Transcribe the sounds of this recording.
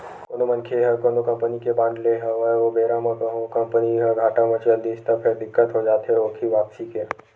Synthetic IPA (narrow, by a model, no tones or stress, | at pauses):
koːnomɐnkʰeɦɐkonokɐ̃mpənikebãːnd̪leɦɛʋɐʋobeːɾamɐ̃kɐɦokɐ̃mpəniɦɐɡʱaːʈamɐ̃t͡ʃɐld̪iːst̪ɐpʰɪɾd̪ɪkːət̪ɦod͡ʒaːt̪ɦeoːkʰiʋaːpsike